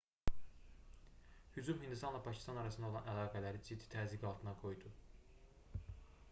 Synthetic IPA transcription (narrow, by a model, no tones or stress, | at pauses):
hyd͡ʒumɦhind̪ist̪ɑnlˠɑpʰɑcʰi̥st̪ɑnɑɾɑsɯnd̪olˠɑnælˠɑːɡælæɾid͡ʒid̪ːi̥t̪ʰæziɡɑlˠt̪ɯnɑɡo̞jd̪u